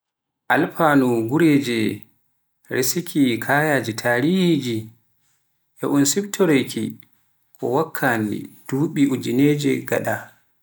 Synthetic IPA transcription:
ʔalpanuɡuɾeːd͡ʒɛ | ɾesikʰikʰaːjaːd͡ʒitʰaːɾihid͡ʒi | ʔɛʔunsibtʰɔɾeki | kʰɔ̰wakʰːanḭd̥uːɓiʔud͡ʒineːd͡ʒɛɡa̰ɗa

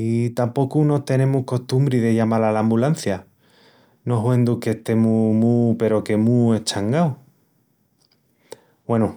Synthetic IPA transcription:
it̪ampo̞kuno̞t̪e̞nẽ̞muhko̞ht̪umbɾiðe̞ʝamalalambulan̟θja | no̞ɦwe̞nd̪uke̞ht̪e̞mumupe̞ɾo̞ke̞mue̞t͡ʃaŋɡaw | we̞nu

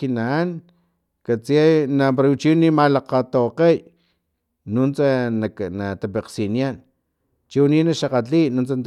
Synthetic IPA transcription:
kinaːn | kat͡siajnapaɾat͡ʃinimalaqat̪awqej | nunt͡sananat̪apeqsinjan | t͡ʃiwninaʃaqat͡ɬinunt͡sant̪

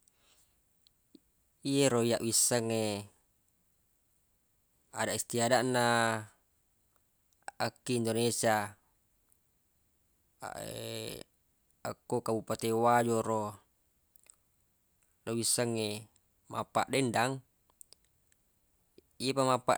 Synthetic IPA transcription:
ieɾoijaʔwisaŋe | a̰daʔist̪iadaʔna | akːiːndonesia | a̰ʔḛ | a̰kːokabupat̪ewad͡ʒoɾo | lowisaŋːe | ma̰pːaʔdendaŋ | iepamapːa̰ʔ

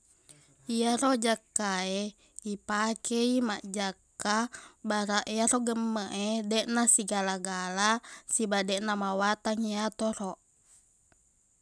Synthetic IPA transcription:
iaɾɔd͡ʒakːae | ipakʰɛima̰ʔd͡ʒakːabaɾaʔiaɾɔɡəmːəʔedɛʔnasiɡalaɡalasibadɛʔnamawat̪aŋiat̪ɔɾɔʔ

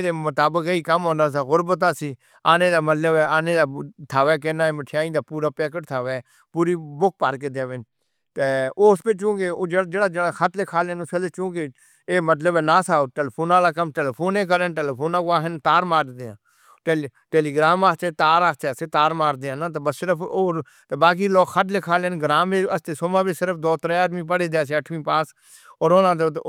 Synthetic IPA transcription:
d̪eːmət̪aːbəkəiːkəmɦõːnd̪aːsaːɣʊɾbət̪̬aːsiː | aːnẽːd̪aːmət̪ləbɛːaːneːd̪aːt̪ʰaːʋɛːk̬enaːeːməʈʰjaːĩːd̪aːpuːɾaːpɛːkəʈt̪ʰaːʋɛː | puːɾiːbʊk̚pəɾkeːd̪eːʋen | t̪eospɪt͡ʃũːɡeːoːd͡ʒeːɽad͡ʒeːɽaːd͡ʒeːɽaːkʰət̪leːkʰaːleːnʊsəlet͡ʃõːɡeː | eːmət̪̬ləbɛːnãːsaːoʈeːlːpʰoːnaːlaːkəmʈeːleːpʰoːneːk̬əɾəːnʈeːleːpʰoːnãːkoaːɦɪnt̪aːɾmaːɾd̪eːã̰ː | ʈeʈeːliːɡɾaːmaːt͡ʃet̪aːɾaːst͡ʃɛːseːt̪aːɾmaːɾd̪eːãːnaːt̪ebəssɪɾəpʰoː | t̪eːbaːk̬iːlɔːkxʰət̪lɪkʰaːlenɡəɾaːmeəst̪eːsoːmaːbisɪɾəpʰd̪oːt̪ɾɛ̃ːaːd̪mĩːp̬əɽeːd̪eãːseːəʈʰmĩːpãːs | ɔːɾoːnãːd̪e

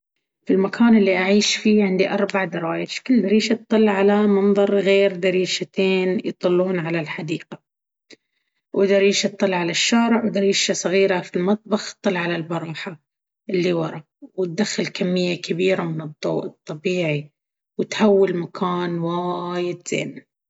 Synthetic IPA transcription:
filmakʰaːnɪlːiʔaʕiːʃfiːʕɪnd̪iʔɑɾˤbaʕd̪ɑɾˤɑːjɪʃkɪlːd̪aɾiːʃat̪ˤːɨlːʕalamɑnðˤɑɾˤɣeːɾd̪aɾiːʃat̪ʰeːnjt̪ˤɨlːuːnʕalalħad̪iːqa | wʔɪd̪aɪɾˤiːʃt̪ˤːɨlːʕalaʃːaːɾɪʕwd̪aɾiːʃasˤɑɣiːɾafilmɑt̪̚ˤbɑxt̪ˤːɨlʕalalbɑɾˤɑːħa | ʔɪlːiwɑɾˤɑ | wɪt̪̚d̪axːalkamːɪjːakʰabiːɾamɪnɨd̪ˤːo̰ːʔɨt̪ˤːɑbiːʕi | wɪt̪hawːɪlmakʰaːnwajɪd̪z̥ḛːm

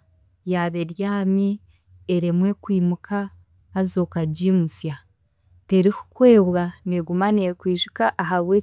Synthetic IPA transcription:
jaβeɾjaːmi | eɾemwe̞kwiːmukʰaː | zo̞ːkaɟimusja | te̞ɾiku̥kwe̞ːβwaneɡumanekwiːʒu̥kaʔːɦaβwe

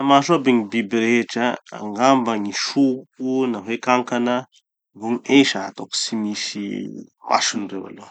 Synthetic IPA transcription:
amaʃoabeɲibibɾeʈ͡ʂəa̰ŋɡambaɲiʃukunaɦekaŋkanə | vuɲeʃaa̰t̪oksimiʃima̰sunrewa̰lo

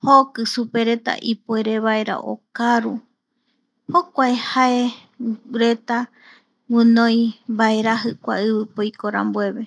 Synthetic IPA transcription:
hokɨsupe̞ɾe̞t̪a̰ʔipue̞ɾe̞βae̞ɾa̰ʔo̰kaɾu | hokʷaehae | ɾe̞t̪a | wɨ̃nõjbaeɾaɦɨkʷa̰ɨβɨpojkoɾã̰mbwe̞βe̞

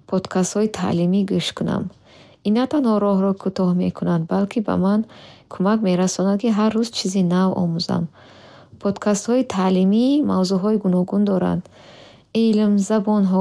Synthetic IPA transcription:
pʰɔd̪̥kʰast̪hɔit̪ʰa̰limiɡuʃt̪kʰuna̰m | inːat̪ʰanhɔɾɔɦɾɔkʰut̪ɔhmḛkʰunand̪̚balkʰiba̰mankʰumakme̞ɾasɔnad̪̚kiɦaɾːuzt͡ʃʰizinavɔ̰muza̰m | pʰɔd̪kʰast̪hɔit̪ʰalimimavzuɦɔiɡunɔɡund̪ɔɾa̰nd̪ | ilmzabɔnɦɔ

